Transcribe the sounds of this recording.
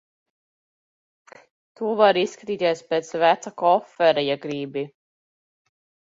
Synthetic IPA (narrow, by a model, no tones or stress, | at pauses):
t̪uɔvaɾisːkat̪iːt̪iɛspeːt̪svæt̪sakɔfːɛɾajaɡɾiːbi